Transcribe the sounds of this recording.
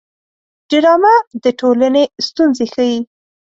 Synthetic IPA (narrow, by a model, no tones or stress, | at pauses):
ɖ̥ɪɾɑmad̪əʈʰolanest̪unzexəji